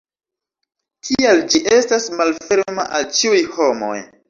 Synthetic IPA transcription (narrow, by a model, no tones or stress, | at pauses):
kʰiald͡ʒiʔe̞stasmalfe̞ɾmaʔalt͡ʃiujho̞mo̞̰j